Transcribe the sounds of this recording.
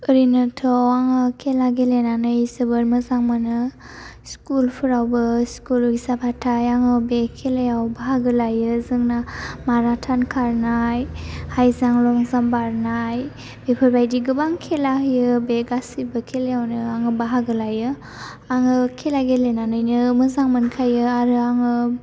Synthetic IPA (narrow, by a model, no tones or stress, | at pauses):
əɾinɯtʰɔwaŋɯkʰelaɡelenanɯjsəbəɾməzaŋmanɯ | skulpʰɯɾawbɯskulɡisapʰatʰajaŋɯbekʰelejawbaɦaɡɯlajɯzɯŋnamaɾatʰankʰaɾnajhajzaŋlɔŋzambaɾnaj | b̥epʰɯɾbajdiɡɯbaŋkʰelaɦjɯbeɡasibɯkʰelejawnɯaŋɯbaɦaɡɯlajɯ | aŋɯkʰelaɡelenanɯjnɯmɯzaŋmɯnkʰajɯaɾɯaŋɯ